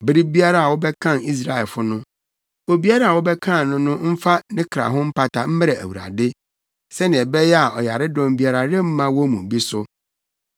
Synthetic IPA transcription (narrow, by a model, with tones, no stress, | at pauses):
bɪ˦ɾi˦bi˦a˦ɾa˦a˨wʊ˦bɛ˦kʰã˦˨ni˦s̬ɾa˨ɛ˨lfʊ˦nʊ̃˦ | o˨bi˦a˦ɾa˦a˨wʊ˦bɛ˦kʰã˦˨nʊ̃˦nʊ̃˦m̩˦fa˦nɪ̃˦kʰɾa̰˨ɦʊ̃˦m̩˦pʰa˦tʰa˨m̩˦mɛ˦ɾɛ˨æ̰˨wu˨ɾa̰˨dɪ˦ | sɛ˦nɪ̃˨ɛ˨bɛ˦jɛ˦a˨ʔɔ˨ja˨ɾɪ˦dɔ̃˨mbi˦a˨ɾa˨ɾɪ˦m̩˦mã˦wɔ˦mũ˨bi˦sʊ˦